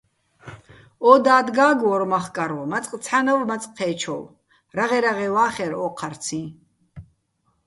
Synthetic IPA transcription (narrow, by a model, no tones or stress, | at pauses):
ɔːd̪aːd̪ɡaːɡɔɾmaχkʼaɾwɔmat͡sʼqʼt͡sʰanawmat͡sʼqʰɛːt͡ʃʰɔ̰w | ɾaʁɛɾaʁɛwaːχɛɾɔːqʰaɾt͡sʰĩ